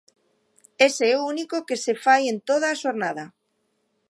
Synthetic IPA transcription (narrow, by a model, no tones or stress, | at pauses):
eseɛounikokesefajent̪oð̞aːʃoɾnað̞a